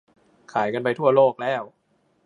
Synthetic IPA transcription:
kʰaː˩˦jka˧npa˧jt̪ʰu˥˩ɐloː˥˩k̚lɛː˥˩w

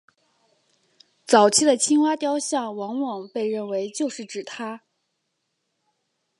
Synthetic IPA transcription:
t͡sɑ˨˩ʊt͡ɕʰi˥˩d̪ə˩t͡ɕʰi˥ŋwa˥t̪jɑ˥ʊɕjɑ˥˩ŋwɑ˧˥ŋwɑ˨˩ŋpe˥˧ɪɻə˥˩nwe˧˥ɪt͡ɕjo˥˧ʊʂɻ̩˥˩ʈ͡ʂɻ̩˨˩t̪ʰa˥

